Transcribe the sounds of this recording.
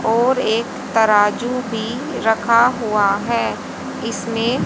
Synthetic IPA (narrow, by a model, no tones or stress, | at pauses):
ɔːɾeːkt̪ɐɾaːd͡ʒubʱi | ɾɐkʰaɦuaɦɛː | ɪsmẽ